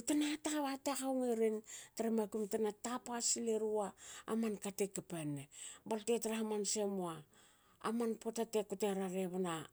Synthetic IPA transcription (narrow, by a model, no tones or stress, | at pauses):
tanaataaβatakawŋeɾintaɾemakumtanatapasileɾua̰ːmankatekapenebaltetaɾahamansemua̰ː | manpotatekuteɾaɾeβana